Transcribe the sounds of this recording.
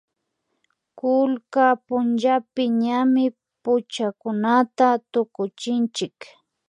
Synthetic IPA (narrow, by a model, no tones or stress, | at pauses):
kʊlkapʊnʒapɪɲamɪ | pʊt͡ʃakʊnat̪at̪ʊkʊt͡ʃɪnt͡ʃɪk